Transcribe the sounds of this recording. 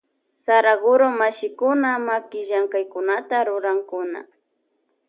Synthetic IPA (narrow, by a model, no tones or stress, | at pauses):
saɾaɣʊɾomaʃɪkʊnamakɪʒaŋkajkʊnat̪aɾʊɾaŋkʊna̰